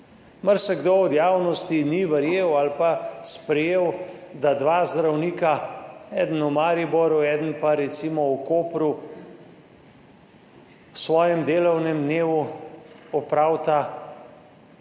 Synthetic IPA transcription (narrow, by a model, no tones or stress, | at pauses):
maɾsɛɡd̪oɔd̪jaːwnɔst̪iniʋəɾjeːwalpaspɾɛjeːwd̪ad̪ʋaːzd̪ɾawniːkaɛːd̪ən̩umaːɾibɔɾuɛːd̪ənpaɾɛt̪simɔukoːpɾu | sʋɔːjɛmd̪eːlɔwnɛmd̪neːʋu | ɔpɾaːwt̪a